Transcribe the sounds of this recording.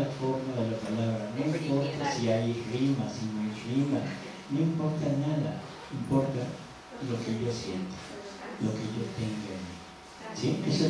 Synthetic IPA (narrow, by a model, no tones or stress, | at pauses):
afoɾmaðelapalaβɾanoimpoɾt̪asiajerimasinoirima | noimpoɾt̪anaða | impoɾt̪a | lokeʝosjent̪o̥lokejot̪eŋɡami | siʔeso